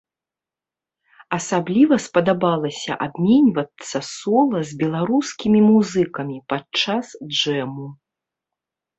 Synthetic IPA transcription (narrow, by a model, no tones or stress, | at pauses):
ɐsablʲivɐspɐd̪abalˠɐsʲɐ̰ʔabmʲɛnʲvɐt̪sːɐsɔlˠɐzʲbʲɛlˠaɾuskʲimʲimuzɨkɐmʲipat͡ʂːasd͡ʐɛmu